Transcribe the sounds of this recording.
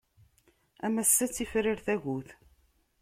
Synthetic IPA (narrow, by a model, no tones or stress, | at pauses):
æmæsːæt͡sːifɾiɾθæʝuθ